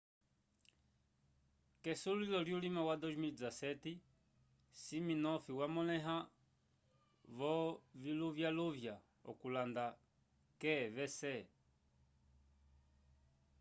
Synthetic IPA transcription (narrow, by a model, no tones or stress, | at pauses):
kɛsulilɔljulimawad̪ɔzmilid͡zasɛti | siminɔfiwamɔlɛɦa | ʋɔviluvjaluvja | ɔ̰kulanda | kɛvɛsɛ